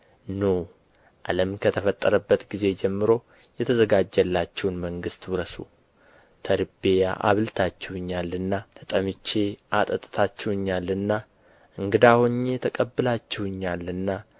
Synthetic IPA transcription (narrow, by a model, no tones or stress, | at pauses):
now | ʔa̰ləmkʰət̪ʰəfət̪ʼːəɾəbːət̪ɡize̞d͡ʒɛmːɨɾo̞ | jɛt̪ʰəzəɡad͡ʒːɛlːat͡ʃːɛwnməŋɡɨst̪wɾəsu | t̪ʰəɾɨbe̞ja̰ʔa̰βɨlt̪ʰat͡ʃːɛwɨɲːalːɨnːat̪ʰət̪ʼəmɨt͡ʃːe̞ʔat̪ʼət̪ʼɨt̪ʰat͡ʃːɛwɨɲːalːɨnːa | ʔɨŋɡɨd̪ahoɲːet̪ʰəkʼəbːɨlat͡ʃːɛwɨɲːalɨnːa